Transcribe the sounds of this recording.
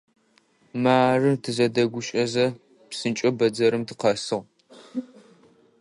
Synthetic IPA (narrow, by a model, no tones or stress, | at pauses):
maːrɨtʰɨzɐdɐɡʷʊɕʼɐzɐ | psɨnt͡ʃʼɐbɐd͡zɐɾɨmtʰɨ̥qɐsɨʁ